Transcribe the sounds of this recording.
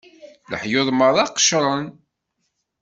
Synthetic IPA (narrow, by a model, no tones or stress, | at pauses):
lə̰ħjoðˤməɾˤɑqːə̥ʃɾˤən